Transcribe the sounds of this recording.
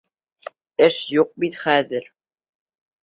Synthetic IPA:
ɘʃjuq̚bit̪χæðɘɾ

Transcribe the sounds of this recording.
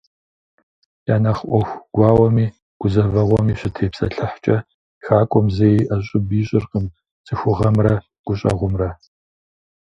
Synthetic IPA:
jaːnɐχʔʷɔxʷɡ̥ʷɑːwɔmiː | ɡ̥ʷʊzɐvɐʁʷɔmiːɕɪtʰeːpsɐ̰ɬɨħt͡ʃʼɐ | xaːkʷʼɔmzejʔɐɕʼɪbiːɕʼɪrqəm | t͡sʼɨxʷʊʁɐmrɐ | ɡ̥ʷʊɕʼɐ̰ʁʷʊmrɐ

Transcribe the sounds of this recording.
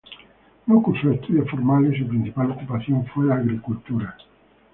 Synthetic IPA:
nokusuest̪uðjafoɾmalesupɾinθipalokupaθjoɱfwelaːɣɾikult̪uɾa

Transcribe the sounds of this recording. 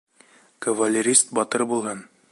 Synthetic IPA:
kɐvɐlʲːɪɾʲist̪̚bɒt̪ɤɾbulˠɦɤn

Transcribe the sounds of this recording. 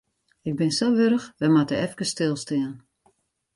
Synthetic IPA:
ɪɡ̚bɪnsowʋøɾəxʋɛjmatəɛfkəstɪlˠstɪən

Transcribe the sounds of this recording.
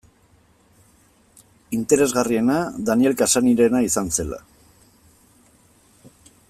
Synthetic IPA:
int̪e̞ɾe̞zɣarie̞naðanie̞lkasaniɾe̞naisanse̞la̰

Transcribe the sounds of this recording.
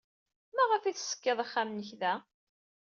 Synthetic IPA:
mæʁəfiθsə̥kːəðˤəχːamnəçðæ

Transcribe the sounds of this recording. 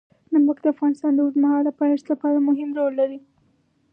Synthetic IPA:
nənbakd̪əafɣɑnɪst̪ɑnd̪əuzmahɑld̪əpahet̪lapɑɾamʊɦɪmɾolːaɾi

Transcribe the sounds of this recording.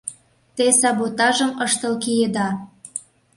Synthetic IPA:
t̪esɑβot̪ɑʒə̆mɤʃt̪ɤ̆lkijed̪ɑ

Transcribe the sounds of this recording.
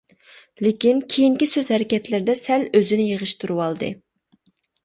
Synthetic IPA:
lekʲinkʲʰejiŋkʲisøzhɛɾɪkʲɛt̪lɪɾɪd̪ɛsɛløzɪnɪjəʁɨʃt̪ʰuɾuwɑlˠd̪ɨ̰

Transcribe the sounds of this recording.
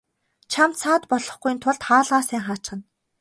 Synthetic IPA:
t͡ɕʰamt̪sʰaːt̪pɔɮɞ̆χɡujnt̪ʰʊɮt̪χaːɮʁaːsæːŋχaːt͡ɕχə̆n

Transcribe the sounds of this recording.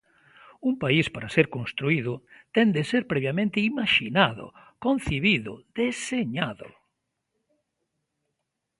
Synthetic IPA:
umpaispaɾaseɾkõnst̪ɾuiðʊt̪ɛnd̪eseɾpɾeβjamẽnt̪ɪimaʃinaðʊ̰ | kon̟θiβiðʊ̰ð̥eseɲaðʊ̰

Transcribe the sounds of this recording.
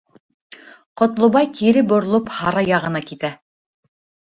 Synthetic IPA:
qŏt̪lˠŏβɑjkiɾɘbŏɾlˠophɑɾɑjɑʁɤ̆nɑkit̪æ

